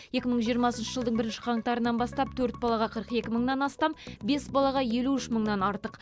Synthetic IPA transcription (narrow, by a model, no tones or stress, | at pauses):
je̞kʲɪməɴʒijəɾmɑsənʃəʒəlˠd̪əɴbɪɾɪnʃɪ̥qʰɑɴt̪ɑɾənɑnbɑst̪ɑp̚t̪ʰɵɾt̪̚bɑlˠɑʁɑqʰəɾəqe̞kʲɪməɴnɑnɑst̪ɑmbe̞sbɑlˠɑʁɑje̞luʏʃməɴnɑnɑɾt̪əq